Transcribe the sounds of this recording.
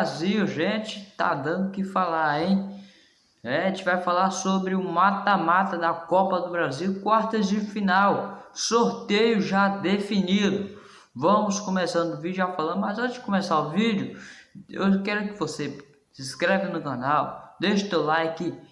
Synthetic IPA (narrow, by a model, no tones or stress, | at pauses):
baziwʒẽt͡ʃɪ̥t̪a̰d̪ɐ̃d̪ʊkɪfalaɾẽj̃ | ɛẽt͡ʃɪvajfalaɾsobɾɪumat̪ɐmat̪ɐd̪ɐkɔpɐd̪ʊbɾaziwkwaɾt̪ɐzd͡ʒɪfinawsoɾt̪ejʊʒad̪efinid̪ʊ | vɐ̃mʊskõmesɐ̃nd̪ʊvid͡ʒʊafalɐ̃nd̪ʊmɐzõt͡ʃɪ̥kõmesaʊvid͡ʒʊḛwkɛɾʊkɪvose | siskɾɛvɐnʊkɐnawd̪eʃʊt̪ewlajkɪ